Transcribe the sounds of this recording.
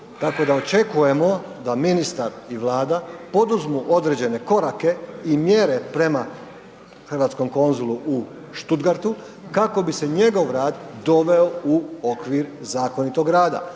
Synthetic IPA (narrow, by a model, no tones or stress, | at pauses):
t̪ako̞d̪aot͡ʃe̞kuje̞mo̞d̪aminist̪aɾiʋlˠaːd̪apo̞d̪uzmuʔo̞d̪ɾed͡ʑe̞ne̞ko̞ɾake̞imje̞ɾe̞pɾe̞ma | xrʋaːt̪sko̞mko̞nzulˠuʔu | ʃt̪ud̪ɡaɾt̪u | kako̞bise̞ɲe̞ɡo̞ʋɾaːd̪d̪o̞ʋe̞o̞uokʋiɾzaːko̞nit̪o̞ɡɾaːd̪a̰